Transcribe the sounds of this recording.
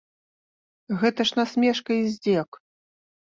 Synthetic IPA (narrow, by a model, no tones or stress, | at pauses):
ɣɛt̪ɐʂnasʲmʲɛʂkɐizʲd͡zʲɛk